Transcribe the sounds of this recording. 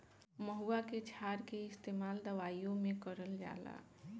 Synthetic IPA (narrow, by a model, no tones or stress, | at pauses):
məɦuaket͡ʃʰaɾkeɪst̪emald̪əʋaijõmekəɾəld͡ʒa̰la̰